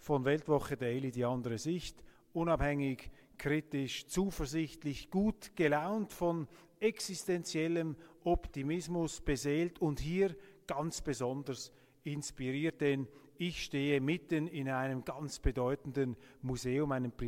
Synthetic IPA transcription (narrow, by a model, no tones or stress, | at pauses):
fɔnvɛltvɔχədeɪlidiːɑndəʁəzɪçt | ʔʊnɑphɛŋɪç | kʁ̥itɪʃt͡suːfəɐzɪçtlɪçɡ̥uːtɡ̥əlaʊntfɔn | ɛksɪstɛnt͡sjɛləmʔɔptimɪsmʊsb̥ezeːltʊnthiːʁɡ̥ɑnt͡sb̥əzɔndəs | ɪnspiʁiːɐt̚d̥ɛn | ɪçʃteːəmɪtənɪnaɪnəmɡɑnt͡sb̥ədɔʏtən̩dənmuzeːʊmaɪnəmpʁ